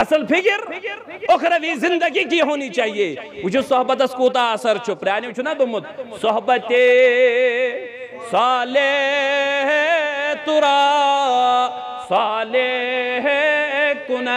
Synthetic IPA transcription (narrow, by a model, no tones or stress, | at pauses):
ɐsɐlpʰɪkɪɾokʰɾɐʋizɪ̃nd̪ɐɡik̬iɦoːnit͡ʃaːɦieːʊt͡ʃʰusɔɦbɐt̪ɐskuːt̪̬aːsɐɾt͡ʃʰʊpɾjaːnit͡ʃʰunad̪ʊmʊt̪sɔɦbɐt̪e | saːle | ɦt̪ʊɾaː | saːleɦekʊna